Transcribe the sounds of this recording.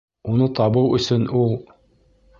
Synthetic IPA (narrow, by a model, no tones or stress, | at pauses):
unɤt̪ɑβɤwɵ̆sɵnulˠ